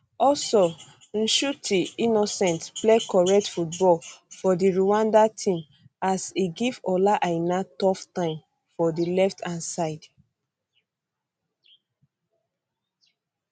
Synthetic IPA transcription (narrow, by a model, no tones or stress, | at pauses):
ɔlso | n̩ʃutiinɔsɛ̃ntplekɔɹɛk̚tfut̚bɔlfɔdiɹuwãndatʰĩm | asiɡivɔlaʔaɪnatɔftãɪ̃m | fɔdilɛftʰãnsaɪd̥